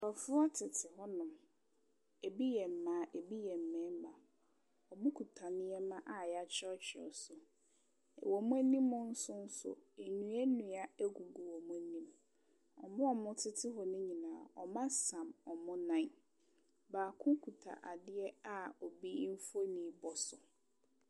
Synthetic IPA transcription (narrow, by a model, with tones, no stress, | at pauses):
ɔ˨fʊ˦a˦tʰɪ˨tʰɪ˨hɔ˦nʊ̃˨m | e˨bi˦jɛ˨m̩˨mã˨˦ʔe˨bi˦jɛ˨m̩˨mɛ̃˦mã˨ | ɔ˨bu˦kʰu˨tʰa˨nɪ̃˦ɛ˦mã˦ʔa˨ja˨t͡ɕʰɛ˦ɔ˦t͡ɕʰᶣɪ˨ɔ̰˨sʊ̰˨ | wɔ˨mʊ̃˦æ˦nĩ˦mːʊ̃˦n̩˦sʊ˦n̩˦sʊ̰˨e˨nũ˨ɛ˦nũ˨a˦æ˦ɡu˨ɡu˨wɔ˨mʊ̃˦nĩ˦m | ɔ̰˨mʊ̃˦ɔ˨mʊ̃˦tʰɪ˦tʰɪ˦ɦɔ˨nɪ̃˦ɲĩ˨nãː˨ɔ̰˨mã˦sã˨mɔ˨mʊ̃˦nã˦ | baː˨kʰʊ̃˦kʰu˨tʰa̰˨ʔa˨dɪ˦ɛ˦a˦ɔ˨bi˦m̩˦fo˦nĩ˨˦bɔ˦sʊ˨